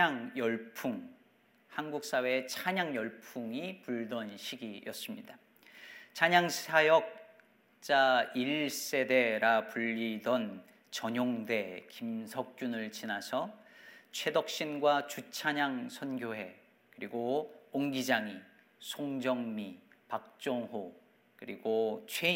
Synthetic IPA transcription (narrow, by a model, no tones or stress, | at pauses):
aŋjʌɭpʰuŋ | hanɡuk̚s͈awe̞et͡ɕʰaɲaŋjʌɭpʰuŋipuɭdʌnɕʰiɡijʌs͈ɯmɲida | t͡ɕʰaɲaŋsʰajʌk̚ | t͡ɕ͈aiɭs͈e̞de̞ɾapuʎːidʌn | t͡ɕʌɲoŋde̞kimsʰʌk̚t͡ɕ͈unɯɭt͡ɕinasʰʌt͡ɕʰe̞dʌk̚ɕ͈inɡwat͡ɕut͡ɕʰaɲaŋsʰʌnɡjoɦe̞ | kɯɾiɡooŋɡid͡ʑaŋi | sʰoŋd͡ʑʌŋmipak̚t͡ɕ͈oŋɦo | kɯɾiɡot͡ɕʰwe